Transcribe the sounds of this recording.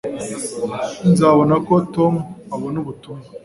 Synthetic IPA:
inzaβonakotomuaβonuβutumɡu

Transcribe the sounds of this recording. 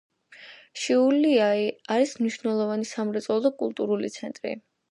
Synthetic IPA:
ʃiuliaiaɾismniʃvnɛlˠɔvanisamɾɛt̪sʼɔlˠɔd̪akʼṵlˠt̪ʼuɾulḭt̪sʰɛnt̪ʼɾḭ

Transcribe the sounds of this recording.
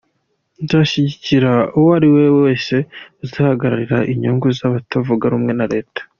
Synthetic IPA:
nzaʃiɟiciɾauwaɾiwe̞we̞ːse̞zahaɡaɾa̰ɾiɾaʔiɲuːŋɡuzaβatavuɡaɾuːmŋe̞naɾe̞ːtḁ

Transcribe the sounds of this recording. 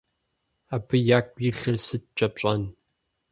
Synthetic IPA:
abɨjaːkʷjiɬɨrsɨt̚t͡ʃʼɐpɕʼɐn

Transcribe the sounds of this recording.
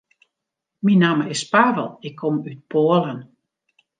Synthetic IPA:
minaːməɪspaːvəlˠɪkʰːɔmyt̚pʰoəlˠən

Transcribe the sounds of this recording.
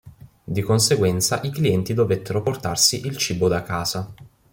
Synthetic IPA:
d̪ikonseɡwɛnt̪saʔikliɛnt̪id̪ovet̪ʰːeɾoport̪arsiʔilt͡ʃiːbod̪akːaːz̥a

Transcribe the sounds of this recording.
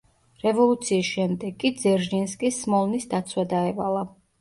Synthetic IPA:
ɾɛvɔlˠut̪sʰiːsʃɛmd̪ɛɡʼːid̪zɛɾd͡ʒinskʼismɔlˠnisd̪at̪sʰwad̪aɛvalˠa

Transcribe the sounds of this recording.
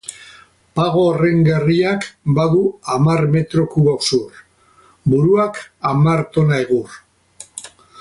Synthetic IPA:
paɣo̞reŋɡeriakbaðuamaɾme̞t̪ɾo̞kuβoksur | buɾuakamaɾt̪o̞naeɣur

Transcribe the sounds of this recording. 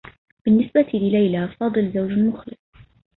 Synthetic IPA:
b̥ɪnːɪsbat̪ʰilɪlajlafɑːd̪ˤɨlzawd͡ʒlmʊxlɪsˤ

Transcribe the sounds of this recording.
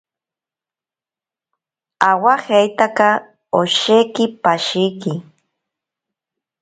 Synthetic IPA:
awahejt̪aka | oʃekɪpaʃijkɪ

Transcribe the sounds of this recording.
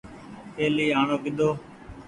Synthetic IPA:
eːliːɦaːɳõːkɪd̪oː

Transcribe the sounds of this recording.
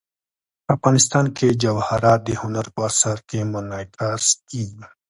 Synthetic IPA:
ɐfɣaːnɪst̪aːnked͡ʒɐwhɐɾaːd̪ehʊnəɾpɐɾsɐɾkemɐnaːjt̪ɾaːskiː

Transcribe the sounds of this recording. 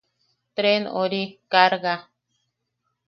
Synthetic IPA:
t̪ɾeno̰ɾikaɾɣa

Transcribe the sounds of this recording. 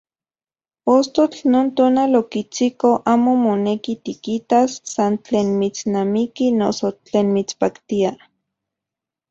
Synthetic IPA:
post̪ot͡ɬnoːnt̪oːnalokit͡sikoʔaːmomonekit̪ikit̪asːant͡ɬeːnmit͡snamikinosot͡ɬeːnmit͡spakt̪ia

